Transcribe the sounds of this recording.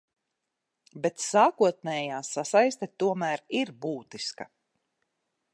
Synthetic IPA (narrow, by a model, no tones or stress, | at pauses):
bet̪saːkuɔt̪̚nɛːjaːsasajst̪et̪uɔmæːɾiɾbuːt̪iskɐ